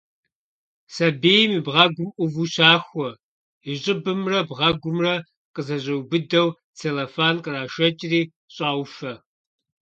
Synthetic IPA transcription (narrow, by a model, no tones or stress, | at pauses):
sɐbeːjmiːbʁɐɡʷʊmʔʷʊvuɕaːxʷɔ | iɕʼɪbɨmrɐbʁɐɡʷʊmrɐ | qəzɐʑʼɐwbɨdɐw | t͡sʰelɐfaːnqʼəraːʃɐt͡ʃʼriː | ɕʼaːwfɐ